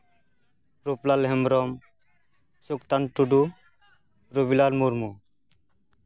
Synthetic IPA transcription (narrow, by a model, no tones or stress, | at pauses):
ɾuplalɦemɾɔm | sukt̪aɳʈuɖu | ɾubilalmuɾmu